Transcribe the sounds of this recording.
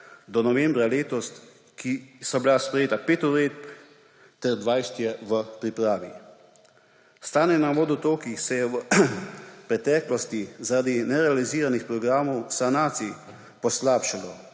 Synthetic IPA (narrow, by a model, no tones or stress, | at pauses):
d̪ɔnɔʋɛ̃mbɾaleːt̪ɔst̪ | kʰisabilaspɾɛjeːt̪apeːt̪ɔɾeːt̪̚b | t̪ɛɾd̪ʋajst̪jɛʋəpɾipɾaːʋi | st̪aːnɛnaʋoːd̪ut̪oːkixsɛjɛʋə | pɾɛt̪ɛːklɔst̪izaɾad̪inɛɾɛaliziːɾanixpɾɔɡɾaːmɔwsanaːt̪si | pɔslaːpʃalɔ